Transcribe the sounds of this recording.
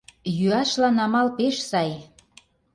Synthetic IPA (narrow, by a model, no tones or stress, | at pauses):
jyɑʃlɑnɑmɑlpeʃsɑj